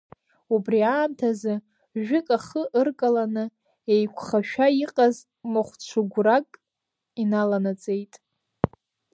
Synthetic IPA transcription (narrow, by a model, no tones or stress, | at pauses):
ubriaːmtʰazɨ | ʒᶣʊkʼaχəʔɨrkʼalanɨ | ejkʷʰχaʃᶣaiqʼaz | mɨχʷt͡ɕʷʰʊɡʷrakʼ | inalanat͡sʼe̞jtʼ